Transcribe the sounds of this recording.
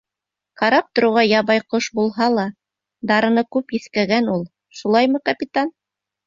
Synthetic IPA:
qɑɾɑp̚t̪ŏɾɤ̆wʁɑjɑβɑjqoʃbulˠɦɑlˠɑ | d̪ɑɾɤ̆nɤkʉpjiθkæɡænulˠ | ʃulˠɑjmɤqapʲit̪an

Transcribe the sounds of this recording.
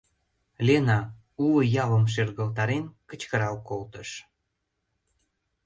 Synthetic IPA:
lenɑ | uwə̆jɑvə̆mʃ̬erɣə̆lt̪ɑɾenkə̆t͡ɕkəɾɑwkolt̪ə̆ʃ

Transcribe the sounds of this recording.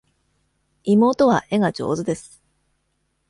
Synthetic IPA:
imo̞ːt̪o̞β̞a̰ʔe̞ɡat͡ɕo̞̰ːzɨd̪e̞sɨ̥

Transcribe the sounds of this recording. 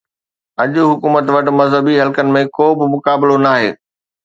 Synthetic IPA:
ɐʄʊɦʊkuːmət̪ʋɐʈmɐzɦəbiɦɐlkənɪ̆mẽkoːbɪmʊkaːbɪlonaːɦḛː

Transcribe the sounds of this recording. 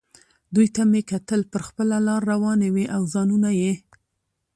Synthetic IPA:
d̪ujt̪amekat̪əlpəɾxpəlalɑɾːawɑneweʔawzɑnunaje

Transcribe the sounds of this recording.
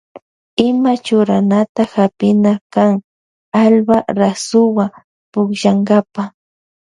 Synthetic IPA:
ɪmat͡ʃʊɾanat̪axapɪnakaŋ | albaɾasʊwa | pʊkʃaŋɡapa

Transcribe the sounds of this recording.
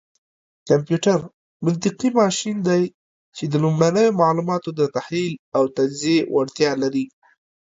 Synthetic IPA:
kampjuʈaɾ | mʊnt̪̬ɪqimɑʃind̪aj | t͡ʃed̪əlumɽanəjomaʕlumɑt̪od̪ət̪ahlilawt̪ad͡ʒziewʔaɽt̪jɑlaɾi

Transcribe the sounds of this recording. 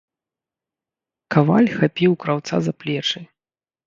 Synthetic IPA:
kava̰lʲxapʲiwkɾawt̪sa̰zaplʲɛt͡ʂɨj

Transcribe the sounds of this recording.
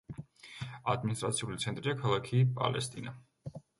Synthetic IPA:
a̰d̪minist̪ʼɾat̪sʰiulit̪sʰɛnt̪ʼɾiakʰalˠakʰipʼa̰lɛ̰st̪ʼina

